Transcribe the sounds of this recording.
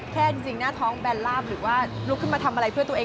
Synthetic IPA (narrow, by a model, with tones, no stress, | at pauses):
kʰɛː˥˩si˨˧˩ŋnaː˥˩t̪ʰɔː˦˥ŋbɛː˧nlaː˥˩mɾɯː˩˦waː˥˩lu˦˥kʰːɯ˥˩maː˧t̪ʰa˧mʔa˧ɾa˧jpʰɯ˥˩t̪u˧ɐʔː